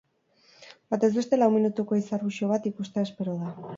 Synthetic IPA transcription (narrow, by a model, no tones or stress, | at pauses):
bat̪e̞zβe̞st̪e̞lawminut̪uko̞isarβuʃio̞β̞at̪ikust̪eaespe̞ɾoða